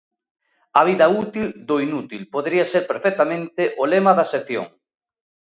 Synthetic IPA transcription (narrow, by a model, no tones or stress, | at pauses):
ɐβ̞iðɐut̪ild̪oinut̪ilpoðɾiɐseɾpeɾfek̚t̪amẽnt̪eʔolemɐðɐseθjo̰ŋ